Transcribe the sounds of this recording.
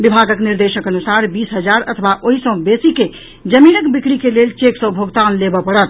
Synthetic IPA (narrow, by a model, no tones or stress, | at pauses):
bibʱaɡəkniɾd̪eʃəkənusaɾbisɦəd͡ʒaɾə̰t̪ʰbaʔoɦisə̃besike | d͡ʒəminəkbikɽikelelt͡ʃeksə̃bʱoɡt̪anlebəpəɽət̪̚